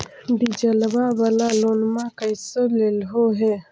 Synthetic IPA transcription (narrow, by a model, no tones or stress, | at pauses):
ɖid͡ʒəlbabaːlaloːnmãkəɪsəlelɦoɦɛː